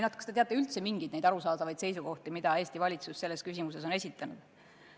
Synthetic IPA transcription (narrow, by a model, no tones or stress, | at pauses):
jnɑd̪kɑ̥st̪et̪eɑt̪ːˑeylt̪se̞miŋɡid̪nejd̪ɑɾusɑːd̪ɑvɑjd̪̥se̞jsuko̞ht̪imid̪̥ɑe̞ːst̪ivɑlʲit̪susːe̞lːeskysimuse̞s̬o̞ne̞sʲit̪ːˑɑnud̪̥